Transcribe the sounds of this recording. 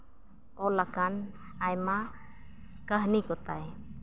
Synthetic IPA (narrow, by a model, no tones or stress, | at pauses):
ɔlakan | ajma | kaɦnikɔt̪aj